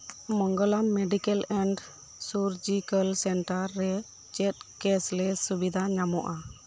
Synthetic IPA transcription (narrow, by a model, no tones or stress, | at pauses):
mɔŋɡɔlamːɛɖikɛlɛɳɖ | suɾd͡ʒikəlsɛɳʈaɾːɛ | t͡ʃɛt̪̚kɛslɛsubid̪ʱaɲamɔʔa